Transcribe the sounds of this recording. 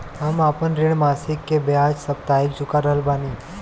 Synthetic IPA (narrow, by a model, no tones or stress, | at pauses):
amapənɾeɽmasikːebead͡ʒsəp̚t̪aik̚d͡ʒukaɾəlbani